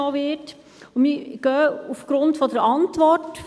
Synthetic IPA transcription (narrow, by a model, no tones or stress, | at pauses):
ɔʋɪt | miɡ̥œːufɡ̥ɾʊntfɔd̪əɾɑntʋɔrt